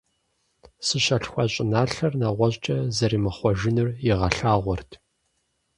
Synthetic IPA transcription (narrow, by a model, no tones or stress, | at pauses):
sɨɕɐɬxʷɐɕʼɪnaːɬɐrnaʁʷɔʑt͡ʃʼɐzɐɾiːmɨχʷɔʒɪnɨrjɪʁɐɬaːʁʷɔrtʰ